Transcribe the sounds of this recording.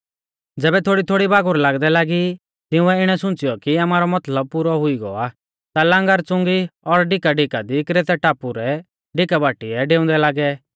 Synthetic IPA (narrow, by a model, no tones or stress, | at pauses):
d͡zɛːbɛt̪ʰoːɽit̪ʰoːɽibaːɡʊɾlaːɡd̪ɛlaːɡi | t̪ɪũɛɪɽ̃ɛsʊ̃nt͡sɪjɔkiamaːɾɔmɐt̪ləb̚puːɾɔɦʊiɡɔ̰aː | t̪alãːŋɡəɾt͡sʊ̃ŋɡiɔɾɖɪkaɖɪkad̪ikɾeːt̪ɛʈaːpuɾɛ | ɖɪkabaːʈiɛɖeːʊ̃nd̪ɛlaːɡɛ